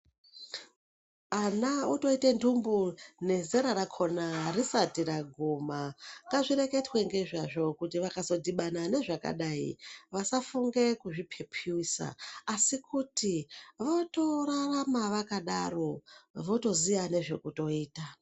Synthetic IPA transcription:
anauto̞itendumbune̞zeɾaɾakʰo̞narisatiɾaɡʱumaŋɡaʐiɾe̞ke̞twe̞ŋɡe̞ʐaʐo̞kutiʋakazo̞dʱiɓanane̞ʐaka̰ɗaḭʋasafuŋɡe̞kuʐipʰepʰiwisa̰ːsikutiʋoto̞raramaʋakaɗaro̞ʋo̞to̞zijane̞ʐe̞kuto̞iːta

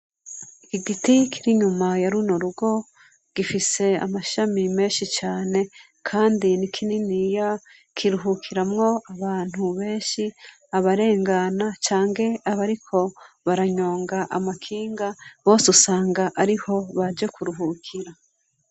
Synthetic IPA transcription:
ikiɡitikʰiɾiɲumajaɾunoɾuɡo̞ | ɡ̥ifise̞a̰maʃamime̞ːʃit͡ʃaːne̞ | kʰaːndinikʰininija | kʰiɾuɦukʰiɾamŋo̞aβaːn̥huβe̞ːʃi | aβaɾe̞ːŋɡanat͡ʃaːŋɡe̞aβaɾikʰo̞ | βaɾaɲo̞ːŋɡaʔamakʰiːŋɡaβo̞ːsusaːŋɡaʔaɾiho̞βad͡ʒekʰuɾuɦukʰiɾa

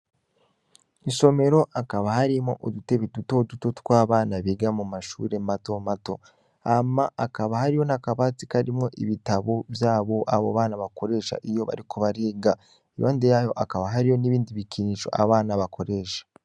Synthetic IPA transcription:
iʃo̞me̞ɾo̞ʔakaβahaɾimo̞̰ʔodute̞βituto̞duto̞twaːβaːnaβiɡamumaʃṵːɾe̞mato̞mato̞̰ | amaʔakaβahaɾijo̞nakaβat͡sikaɾimŋo̞ʔiβitaβo̞βjaːβo̞ʔaβoβaːnaβako̞ɾe̞ːʃa̰ʔijo̞βa̰ɾiko̞βaɾeːɡa | iβaːndejajo̞ʔakaβaɦaɾijo̞niβiːndiβikiniʃo̞̰ʔa̰βaːnaβakʰo̞ɾe̞ːʃḁ

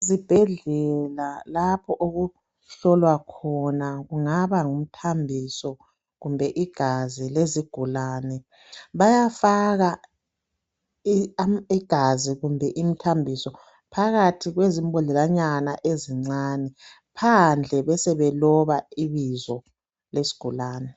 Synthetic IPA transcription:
zib̥ʱɛɮɛlalapʰɔʔoɣu | ɬɔlwakʰɔnaɣuŋaβaŋum̩tʰambʱisɔ | ɣumbʱɛʔiɡ̥ʱazileziɡ̥ʱulaːnɛ | βajafaɣa | iɡ̥ʱaziɣumbʱɛʔim̩tʰambʱisɔ | pʰaɣatʰiɣwezimbɔlɛlaɲanaʔeziŋ͡ǀanɛ | pʰand͡ɮʱɛβɛsɛβɛlɔβaiβizɔ | lesi̥ɡ̥ʱulaːnɛ

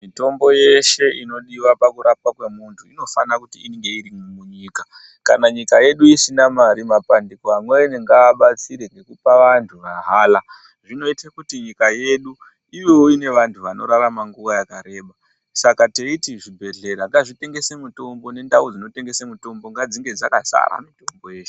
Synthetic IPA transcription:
mito̞mbo̞jeʃe̞ino̞ɗiwapakuɾapakwe̞muntʰuino̞fanakutiiŋɡe̞iɾimmuɲiːka | ka̰naɲikaje̞ɗuisinamaɾimapandikoamweaneŋɡaːɓat͡siɾeŋɡe̞kupaʋantʰuʋaɦaːla | ʐino̞itakutiɲikaje̞ɗu | iʋowoine̞ʋantʰuʋano̞̰ɾaɾamaŋɡuʋajakaɾe̞ːɓa | sakate̞itiʐibʱe̞ɮe̞ɾaŋɡaʐite̞ŋɡe̞semuto̞mbo̞ne̞ndaud͡zino̞te̞ŋɡe̞semuto̞mbo̞ŋɡad͡ziŋɡe̞d͡zaka̰sa̰ɾa̰mito̞mbo̞je̞ːʃ

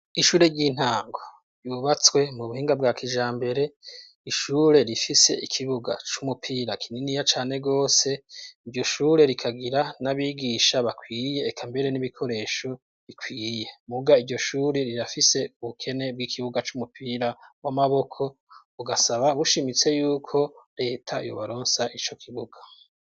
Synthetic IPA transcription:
iʃuːɾe̞ɟiːn̥haːŋɡo | ɾjuβat͡swe̞muβuhiːŋɡabɡaːkʰiʒaːmbe̞ɾe̞ | iʃuːɾe̞ɾifise̞̰ikʰiβuɡa̰t͡ʃumupʰiːɾakʰininijat͡ʃaːne̞ɡo̞ːse̞iɾɟo̞ʃuːɾe̞ɾikʰaɡiɾanaβiːɡiːʃaβakʰwiːje̞ːkʰambe̞ɾe̞niβikʰo̞ɾe̞ʃo | βikwiːje̞muɡaiɾɟo̞ʃuːɾe̞ɾiɾafise̞uβukʰe̞ne̞b̚ɡiːkʰiβuɡat͡ʃumupʰiɾaβwamaβo̞kʰo̞ | uɡasaβaβuʃimit͡se̞juːkʰo̞ɾe̞ːtʰajo̰βaɾoːnsaʔit͡ʃo̞kʰiβuɡ̥ḁ

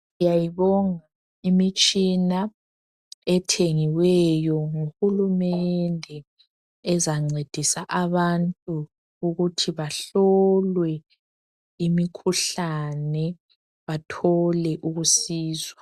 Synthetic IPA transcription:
ijajiβɔŋa | imit͡ʃʼina | ɛtʰeŋiwɛjɔŋuxulumɛndʱɛ | ɛzaŋ͡ǀed̥ʱisaʔaβantʼu | uɣutʰiβaɬɔlwɛ | imikʰuɬanɛ | βatʰɔlɛʔuɣusiːzwa

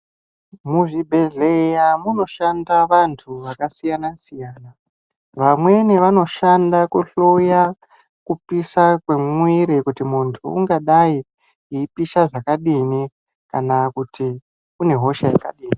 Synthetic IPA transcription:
muʐibʱe̞ɮejamuno̞ʃandaʋantʰuʋakasijanasijaːna | ʋamwe̞neʋano̞ʃandakuɬoja | kupisakwe̞miɾikutimuntʰṵːŋɡaɗai | iipiʃaʐakaɗini | kanakuti | une̞ɦo̞ʃaja̰ka̰ɗiːni

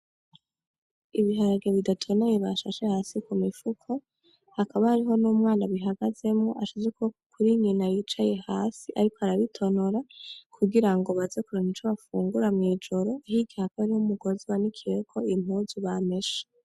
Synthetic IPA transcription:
iβiɦaɾaɡeβidatʰo̞nejeβaʃaʃehaːsikumifukʰo̞ | hakaβahaɾiɦo̞nuːmŋaːnaβiɦaɡaze̞mŋoʔaʃuzekuβakuɾiɲinajit͡ʃaje̞haːsiʔaɾikoaɾaβitʰo̞no̞ɾakʰuɡiɾaŋɡo̞βazekuɾonit͡ʃoβafṵːŋɡuɾamŋiːd͡ʒo̞ɾo̞ahiɡihakoaɾihomuɡo̞ziwanikʰijekʰo̞im̥huːzuβame̞ʃe̥

